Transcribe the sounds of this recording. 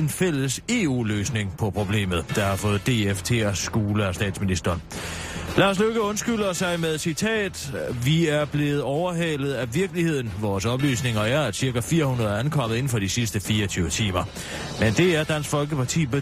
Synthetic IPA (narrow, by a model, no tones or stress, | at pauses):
enfel̰əse̝ṵːløːsne̝ŋpʰɒ̽pʰʁo̝b̥le̝̰ːmð̞̩ˠd̥ɑ̈hɑ̈fɔ̽ːð̩ˠd̥e̝eft͡sʰe̝̰ɒsɡ̥o̝ːləɒsd̥ɛ̰ːd̥sminisd̥ɐːn | lɑ̈ːs̬løɡ̥əɔ̽nsɡ̥ylɐsɑ̈ɪmeðˠsit͡sʰɛ̰ːd̥ʋiæɐb̥le̝ːð̩ˠɒʊɐɦɛlð̞̩ˠæʋiɐɡ̥əlihe̝ð̞̰ˠn̩ʋɒːsɒ̽b̥ly̰ːsne̝ŋɐæɐæd̥siɐɡ̥æfiːɐhunɐðˠɐænkʰɒ̽m̰ð̩ˠe̝n̩fɒ̽d̥isisd̥əfiːɐɒt͡sʰyːʊət͡sʰḭːmɐ | mend̥e̝æɐd̥æn̰sɡ̥fɒ̽lɡ̥əpɑ̈t͡sʰḭːb̥e